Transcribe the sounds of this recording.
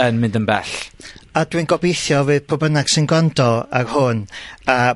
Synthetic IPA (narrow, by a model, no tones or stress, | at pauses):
ənmɪ̃ndəmbɛ̰ɬadwinɡɔbejθjɔvɨːðpʰɔbənaɡ̥sɪnɡɔndɔa̰rhʊna